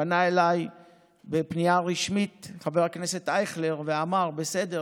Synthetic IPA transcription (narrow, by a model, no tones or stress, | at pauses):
anaelaj | bepnijaʁiʃmitχaveʁakne̞se̞t̪ajχleʁveamaʁbese̞de